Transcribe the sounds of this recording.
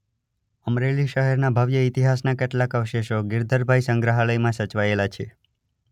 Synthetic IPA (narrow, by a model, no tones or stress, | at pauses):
əmɾeliʃəɦɛɾnabʱəʋjəit̪iɦasnakeʈlakəʋʃeʃoɡɪɾd̪ʱəɾbʱajsəŋɡɾəɦaləjmãsət͡ʃʋaelat͡ʃʰe